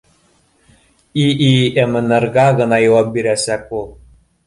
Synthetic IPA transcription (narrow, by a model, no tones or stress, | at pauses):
iʔiĕmɘ̆nɤ̆rɣɑɣɤ̆nɑjɤwɑp̚biɾæsækulˠ